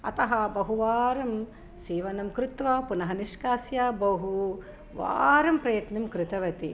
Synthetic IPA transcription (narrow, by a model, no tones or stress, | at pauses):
ɐ̰t̪ɐɦɐbɐɦuʋaːɾɐm | siːʋɐnɐmkɾut̪ʋɐpunɐɦɐniʃkaːsjaːbɐɦu | ʋa̰ːɾɐmpɾɐjɐt̪nɐmkɾɪt̪ɐʋɐt̪i